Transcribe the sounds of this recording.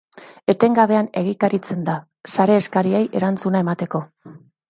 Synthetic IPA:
e̞t̪e̞ŋɡaβe̞ane̞ɣ̞ikaɾit͡se̞nd̪a | saɾe̞ːskaɾiejʔe̞ɾant͡sunae̞mat̪e̞ko̞

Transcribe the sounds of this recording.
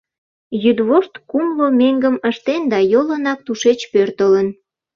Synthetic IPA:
jyd̪βoʃt̪kumlomeŋɡəməʃt̪end̪ɑjolənɑk̚t̪uʃet͡ɕpørt̪ələn

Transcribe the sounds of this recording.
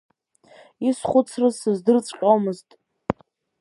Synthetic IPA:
isχʷʊt͡sʰrɨzsɨzdɨrt͡sʼqʲʼomɨztʼ

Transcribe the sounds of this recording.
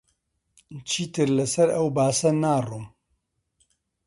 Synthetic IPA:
t͡ʃʰiːt̪ɨɾlɨsɐɾɛwbaːsɐnaːruːm

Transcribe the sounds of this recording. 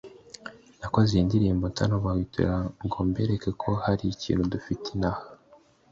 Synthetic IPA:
nakozeindiɾiːmbo̞ntʰanoβawitʰṵɾaŋɡombeɾekekʰo̞haɾiicḭːnhudufitʰinaha

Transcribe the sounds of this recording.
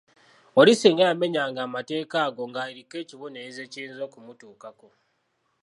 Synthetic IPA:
olisiŋɡajame̞ɲaːŋɡaːmate̞ːkaːɡo̞ŋɡaːiɾikːe̞ːciβoneize̞ːciiːnzo̞kumutuːkako

